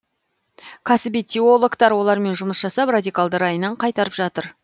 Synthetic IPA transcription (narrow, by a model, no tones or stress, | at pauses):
kʰɑsɪbit̪ʰʲːio̞lˠokt̪ɑɾwo̞lˠɑɾme̞nʒʊməsʒɑsɑprad̪ʲikalˠd̪ɑɾɑjənɑɴqʰɑjt̪ɑɾəpʒɑt̪əɾ